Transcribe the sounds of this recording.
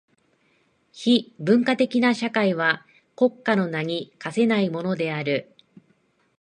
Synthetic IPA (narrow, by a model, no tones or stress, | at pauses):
çibɯ̟̃ŋkat̪e̞kʲinaɕakaiβ̞a | ko̞kːano̞naɲ̟ikase̞naimo̞no̞d̪e̞aɾɯ̟